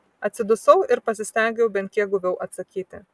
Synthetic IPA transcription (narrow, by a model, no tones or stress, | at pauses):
ɐt̪ʲsʲɪd̪ʊsɐʊɪɾpɐsʲɪsʲt̪ʲɛˑŋʲɡʲɛʊbʲɛnt̪ʲkʲiɛɡʊʋʲɛʊʔɐt̪sɐkʲiːt̪ʲɪ